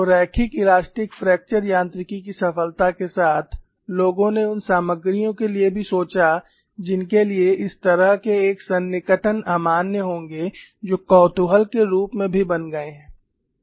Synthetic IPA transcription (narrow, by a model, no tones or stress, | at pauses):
oɾɛːkʰikɪlaːsʈɪkfɾɛːk̚t͡ʃəɾjãːnt̪ɾɪkikisɐfəlt̪akesaːt̪ʰ | loːɡõneʊnsaːməɡɾijõkeliebʱisoːt͡ʃa | d͡ʒɪnkelieʔɪst̪ɐɾəɦkeːksɐnːɪkəʈʰənaːmaːnjəɦõːŋɡed͡ʒoːkɔːt̪uɦəlkeɾuːpmẽbʱibɐnɡɐeɦɛ̃ː